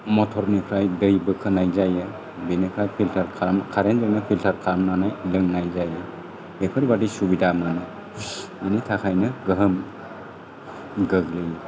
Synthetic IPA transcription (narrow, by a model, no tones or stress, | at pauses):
mɔtʰɔɾnipʰɾajdɯjbɯkʰɯnajzajɯ | binikʰɾajpʰiltʰaɾkʰamkʰaɾenzɯɡnɯpʰiltʰaɾkʰamnanajlɯŋnajzajɯ | ekʰɯɾbadisubidamnanaj | enitʰakʰajnɯɡɯɦəm | ɡɯɡlɯj